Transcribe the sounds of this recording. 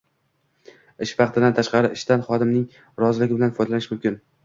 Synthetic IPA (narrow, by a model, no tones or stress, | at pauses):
ɪʃvɑq̚t̪ʰɪd̪ant̪ʰaʃqɑɾɪʔɪʃt̪anχɒd̪ɪmnɪŋ | ɾɒzɪlɪɡʲɪbɪlanfɒjd̪alanɪʃmʊmkʲɪn